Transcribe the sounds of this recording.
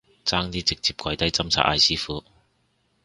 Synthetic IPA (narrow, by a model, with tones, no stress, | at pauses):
t͡saː˥ŋt̪iː˥t͡sɪ˨k̚t͡siː˨p̚kʷɐ˨˧˩jt̪ɐ˥jt͡sɐ˥mt͡sʰa̰ː˨˧ʔ̚a̰ː˧jsiː˥fuː˨˥